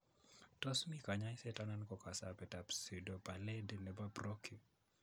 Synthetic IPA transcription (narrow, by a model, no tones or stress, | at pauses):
tɔsmikaɲajsɛtanankɔkasapɛtapsidopalɛdenɛbabrɔkʰi